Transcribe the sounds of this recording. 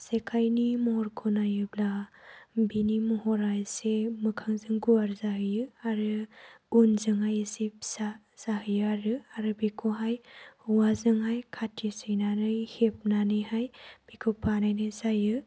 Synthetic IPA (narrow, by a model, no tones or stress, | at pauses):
sekʰajnimɔɾkʰonajɯbla | binimɔɦɔɾajsemɯkʰaŋzɯŋɡuaɾzaɦɯjɯaɾɯunzɯŋɦajsip̚sa | z̥aɦɯjɯaɾɯaɾɯbikʰuɦajhuwazɯŋɦajkʰatʰisɯjnanɯjhep̚nanɯjhajb̥ikʰupʰanajnɯsajɯ